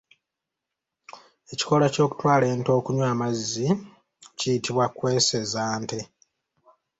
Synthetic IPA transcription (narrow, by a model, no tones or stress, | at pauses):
e̞ci̥ko̞laco̞ːku̥twaːle̞ːnto̞ːkuɲwaːmazːi | cijitiβwakwe̞ːse̞zaːnte̞